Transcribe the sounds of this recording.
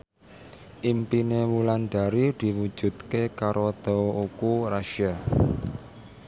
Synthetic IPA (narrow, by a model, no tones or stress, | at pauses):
ʔimpinemulanɖ̪̥a̤ɾid̪̥i̤wud̥ʒ̥ṳt̪kekaɾɔd̪̥ɔukuɾaʃia